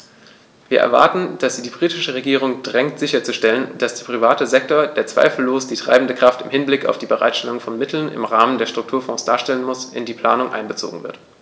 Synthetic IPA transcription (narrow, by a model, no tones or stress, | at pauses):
viːɐʔɛ̰ɐva̰ɐtn̩d̥asz̥iːdiːbʁiːtɪʃəʁ̞eɡiːʁ̞ʊŋd̥ʁɛŋtz̥ɪçɐt͡suʃtɛlənd̥asd̥eːɐpʁ̥ivaːtəzɛk̚toːɐdeːɐt͡sv̥a̰ɪfl̩loːsd̥iːtʁ̥a̰ɪbmn̩dəkʁ̥aftɪmhɪnblɪka̰ʊfd̥iːbəʁa̰ɪtʃtɛlʊŋfɔnmɪtʰl̩nɪ̰mʁaːməndeːɐʃtʁ̥ʊk̚tʰuːɐfɔ̃ːsd̥aːɐʃtɛlənmʊsʔɪndiːpʰl̥aːnʊŋʔa̰ɪnbət͡so̰ːɡŋ̩vɪ̰ɐt